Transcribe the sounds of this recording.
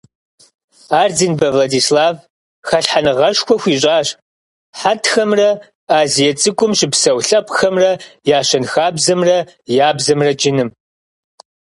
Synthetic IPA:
aːrdinbɐvladiːslaːv | xɐɬħanɨʁɐʂxʷɔxʷiːɕʼaːɕ | ħatʰxɐmrɐ | aːzijɐt͡sʼɨkʷʼʊmɕɪpsɐwɬɐpʼxɐmrɐjaːɕɐnxaːbzɐmrɐjaːbzɐmrɐd͡ʒʼɪnɨm

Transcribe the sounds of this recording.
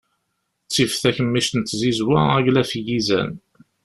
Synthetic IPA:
t͡sːifθæçəmːiʃt̪nt̪ːzizwæ̰æʝlæfjizæ̰n

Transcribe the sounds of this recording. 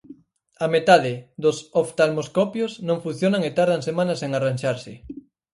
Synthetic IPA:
amet̪aðɪðosoft̪almoskɔpjoznõŋfun̟θjonaŋet̪aɾð̞aŋsemãnaseŋaranʲʃaɾsɪ

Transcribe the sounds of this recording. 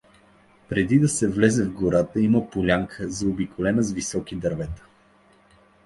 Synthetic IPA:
pɾɛd̪id̪ɐsɛvlɛzɛvɡʊɾat̪əiməpolʲaŋkʰəzɐʊbikʰʊlɛnəzvisɔkid̪ɐɾvɛt̪ə̥

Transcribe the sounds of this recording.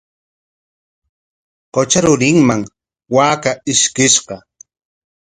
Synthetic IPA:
qot͡ʃaɾʊɾɪŋmaŋ | waːkaɪʃkɪʃɢɑ

